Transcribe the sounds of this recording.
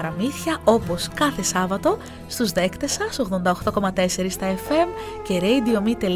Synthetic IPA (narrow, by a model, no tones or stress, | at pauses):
ɾɐmiθçɐo̞po̞skɐθe̞sɐvɐt̪o̞ | st̪uzðe̞kt̪e̞sɐso̞ɣðo̞nd̪ɐo̞xt̪o̞ko̞mɐt̪e̞se̞ɾist̪ɐefe̞m | ce̞ɾejd̪io̞mit̪e̞l